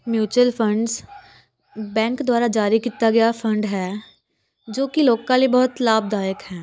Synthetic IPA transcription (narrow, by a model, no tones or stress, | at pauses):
mjuːt͡ʃəlfʰə̃ɳɖz | bɛ̃ːŋkd̪ʊwaːɾad͡ʒaːɾikiːt̪aɡɐjafʰə̃ɳɖɦɛː | d͡ʒoːkiloːkãlibɔɦʊt̪laːb̚d̪aːjəkɦɛː